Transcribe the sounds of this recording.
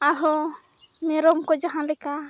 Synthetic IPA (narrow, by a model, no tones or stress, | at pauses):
aɦɔ | mɛɾɔmkɔd͡ʒaɦãlɛka